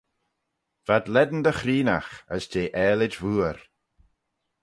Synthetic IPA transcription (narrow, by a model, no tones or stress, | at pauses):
v̥ad̪lɛd̪n̩d̪əxɾiːna̰xə̰sd͡ʒeːʔɛːlɪd͡ʒvuːəɾ